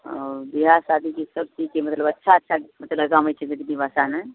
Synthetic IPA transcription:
ɔ̰ɾb̪iɦasad̪ikesəbt͡ʃikemət̪ləbətːʃʰaətːʃʰamət̪ləɡamət͡ʃʰɛbid̪nibasane

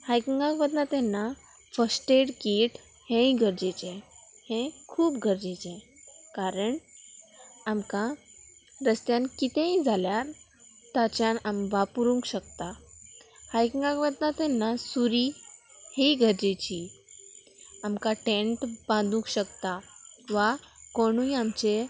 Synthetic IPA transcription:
hajkiŋɡãkʋəd̪nat̪ɛ̃nːa | fəsʈeɽkiʈ | hɛ̃ĩɡʱəɾd͡ʑet͡ɕɛ̃hɛ̃kʰuːpɡʱəɾd͡ʑet͡ɕɛ̃kaɾəɳ | amka | ɾəst̪jãnkit̪ẽĩd͡zʱaljaɾ | t̪at͡ɕjanamʋapuɾũŋkɕək̚t̪a | hajkiŋɡakʋət̪nat̪ɛnːasuɾiheɡʱəɾd͡ʑet͡ɕiː | amkaʈẽɳʈbãnd̪ũŋkɕəkt̪aʋakoɽ̃ũĩamt͡ɕe

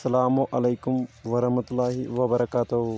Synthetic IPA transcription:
sɐlaːmuʔɐlejkʊmʋɐɾɐhmɐt̪ʊlːaːɦiʋɐbɐɾɐkaːt̪uɦ

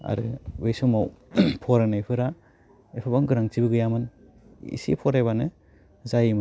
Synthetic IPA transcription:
a̰ɾɯbejsomawpʰɔɾanaepʰɯɾa | epʰabaŋɡɯɾaŋt͡ʃibɯɡɯjamɯn | ḭsḭpʰɔɾajβanɯ | zajimɯ

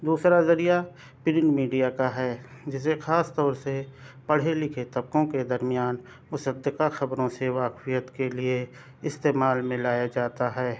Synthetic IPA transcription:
d̪uːsɾazɐɾija | pɪɾɪɳɖmiːɖijakaɦɛːd͡ʒɪs̬exaːst̪ɔːɾsepɐɽ̤elɪkʰet̪ɐb̚kõked̪ɐɾmɪjaːn | mʊsəd̪əqaxɐbɾõseʋaːkwijət̪kelie | ɪst̪eːmaːlmẽlaːjad͡ʒaːt̪aɦɛː

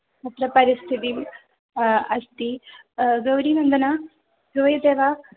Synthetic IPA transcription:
mɐt̪ɾɐpɐɾist̪ʰit̪im | ɐst̪i | ɡɐwɾiːnɐnd̪ɐna | doːjɐd̪eːʋa

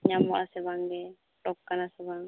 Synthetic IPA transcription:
ɲamaʔasɛbaŋɡɛ | ʈɔkːanasɛbaŋ

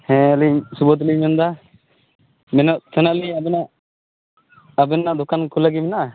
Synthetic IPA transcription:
hɛ̃alisubɔt̪̬limɛnd̪a | mɛnɔʔt̪ʰənaliabɛna | bɛnːaʔd̪ɔkankʰulaɡimɛna

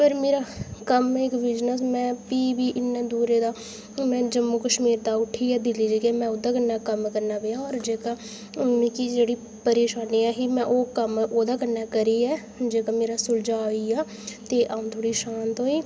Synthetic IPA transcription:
pəɾmeːɾaːkəmɪkʋɪd͡ʒnəs̬mɛ̃ːpiːbiːʔɪnːẽːd̪uːɾeːd̪aː | mɛ̃ːd͡ʒəmːuːkəʃmiːɾd̪aːʊʈʰiːɛːd̪ɪliːd͡ʒeːkemɛ̃ːʊd̪aːkənaːkəmkəɾnaːbejãːɔːɾd͡ʒeːkaː | mĩkid͡ʒeːɽiː | pəɾeːʃaːniːaːɦiːmɛ̃ːʔoːkəmoːd̪aːkəɾnɛːkəɾiːɛː | d͡ʒeːkaːmeːɾaːsʊld͡ʒaːiːaː | t̪eːʔaːũːt̪ʰoːɽiːʃaːnt̪ɦoːiː

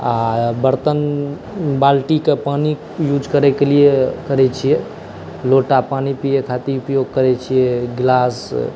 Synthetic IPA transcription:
abəɾt̪ən | balʈikepani | jud͡ʒʱkəɾɛkelijekəɾɛt͡ʃʰije | loʈapanipijekʰat̪iupjoɡ̚kəɾɛt͡ʃʰijeɡlas

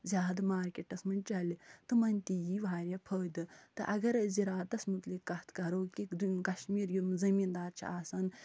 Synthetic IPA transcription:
zʲaːd̪maːɾkʲeʈːɐsmɨnt͡ʃɐlit̪ɨmɐnʲt̪ijiʋaːɾʲjɐpʰəːd̪ɨt̪ɨʔɐɡɐɾziɾaːt̪ɐsmut̪likːɐt̪ʰkɐɾoːkikd̪umkɐʃmiːɾjumzɐmiːnd̪aːɾt͡ʃʰḭaːsan

